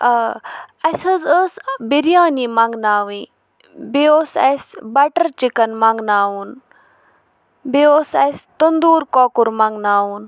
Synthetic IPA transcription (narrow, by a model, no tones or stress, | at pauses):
ɐsəzəsbiɾijãːniːmɐŋɡnaːʋĩː | beoːsɐ̰sbɐʈəɾt͡ʃikɐnmãŋɡnaːuːn | beoːsɐ̰st̪ənd̪uːɾkoːkʊɾmɐŋɡnaːuːn